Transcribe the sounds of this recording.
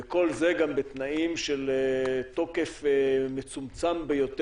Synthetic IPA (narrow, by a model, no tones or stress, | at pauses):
eko̞lze̞ɡambet̪naimʃelet̪o̞ke̞femet͡sumt͡sambejo̞t̪e